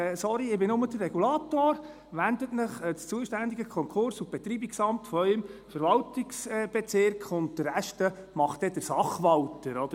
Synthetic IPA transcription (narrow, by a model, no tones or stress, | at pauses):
sɔɾiɪbɪnʊmədərɛɡulɑːtoːɾ | ʋænd̪ətməχt͡st͡suəʃtænd̪iɡəkʰɔŋkʰχʊɾsub̥ɛt̪ɾiːbiksɑmtfɔœʏmfəɾʋɑltiksb̥ɛt͡sɪɾkχʊntdəɾæʃtəmɑχtɛd̥əɾsɑχʋɑwtəɾɔd̥̪ə